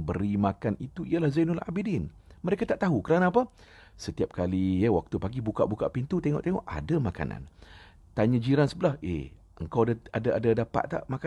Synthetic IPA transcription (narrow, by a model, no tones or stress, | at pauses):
bəɾimãkanit̪uijalahzajnula̰bidin | məɾekat̪aʔt̪aɦukəɾanaːpa | sət̪iap̚kalijawak̚t̪upaɡibuka̰ʔbukaʔpint̪ut̪eŋɔ̰ʔt̪eŋɔ̰ʔa̰damaka̰na̰n | t̪aɲad͡ʒiɾansəbəlahḛ | ʔəŋkawadaadaadadapa̰ʔt̪a̰ʔmaka